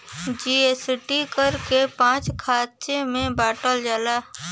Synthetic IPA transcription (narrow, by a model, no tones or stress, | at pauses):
d͡ʒiesɪʈikəɾkepãːt͡ʃkʰaːtt͡ʃemẽbaːʈəld͡ʒaːlaː